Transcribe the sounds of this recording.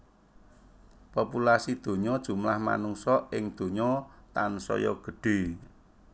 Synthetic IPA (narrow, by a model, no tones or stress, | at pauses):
populasid̪̥o̤ɲɔd̥ʒ̥ṳmlahma̰nuŋsɔɪŋd̪̥o̤ɲɔt̪ansɔ̰jɔ̰ɡ̥ə̤ɖ̥e̤